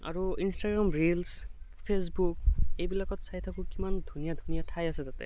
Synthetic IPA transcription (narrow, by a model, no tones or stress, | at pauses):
a̰ɹuinstaɡɹamɹilspʰesbuk̚ejbilakɔtsajtʰakʊkimandʱunijadʱunijatʰajasɛtatɛ̰